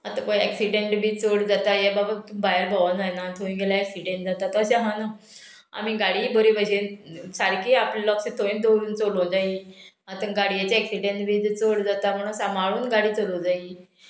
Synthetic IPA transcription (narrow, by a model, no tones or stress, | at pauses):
at̪ãpəɡɛ̰ksiɖeɳʈbʱiːt͡soɽd͡zat̪ajababat̪bajəɾbʱaʋanajnat̪ʰoĩɡelaɛksiɖẽɳʈ̚d͡zat̪at̪əɕaɦãna | a̰miɡaɽiːbəɾibəɕesaɾkiːaplelɔksẽt̪ʰoĩd̪oɾuːnt͡solõd͡zai | at̪ãɡaɽijat͡ɕeɛksiɖẽɳʈbʱiːt͡soɽd͡zat̪am̤əɽ̃uːnsamaɭuːnɡaɽiːt͡solõd͡zai